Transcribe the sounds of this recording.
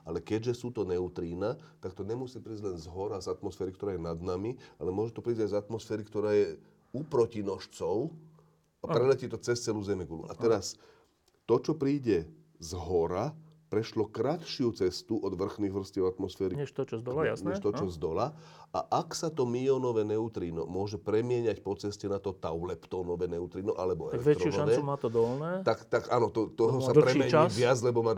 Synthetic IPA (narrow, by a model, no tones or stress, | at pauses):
alɛkɛɟʒɛsuːt̪ɔnɛʊt̪ɾiːnat̪ak̚t̪ɔɲɛmusiːpɾiːzɟʲlɛnzɦɔɾazat̪mɔsfɛːɾikt̪ɔɾaːjɛnad̪namialɛmʊɔʒɛt̪ɔpɾiːzɟajzat̪mɔsfɛːɾikt̪ɔɾaːjɛ | upɾɔcinɔʃt͡sɔʊ | apɾɛlɛciːt̪ɔt͡sɛst͡sɛluːzɛmɛɡulṵʔat̪ɛɾas | t̪ɔt͡ʃɔpɾiːɟɛ | zɦɔɾapɾɛʃlɔkɾat̪ʃɪut͡sɛst̪uʔɔd̪ʋr̩xniːɣʋr̩sciɛʊat̪mɔsfɛːɾiɲɛʃt̪ɔt͡ʃɔzd̪ɔljasɲɛʃt̪ɔt͡ʃɔzd̪ɔlaa̰ʔaksat̪ɔmiɔnɔʋɛːnɛut̪ɾiːnɔ̰mʊɔʒɛpɾɛmɪɛɲacpɔt͡sɛscɛnat̪ɔt̪aʊlɛpt̪ɔːnɔʋɛːnɛut̪ɾiːnɔʔa̰lɛbɔɛ̰lɛʋ̪t͡ʃɾɔuaɛmaːt̪ɔd̪ɔlnɛːt̪akt̪aɡanɔt̪ɔt̪ɔɦɔsapɾɛmɛɲːʋɪad͡zlɛbɔmaː